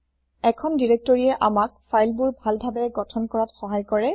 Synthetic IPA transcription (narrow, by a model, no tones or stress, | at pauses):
ɛkʰɔndiɹɛk̚tɔɹiɛʔamak̚fʰajlbʊɹbʱalbʱabɛɡɔtʰɔnkɔɹatxɔɦajkɔɹɛ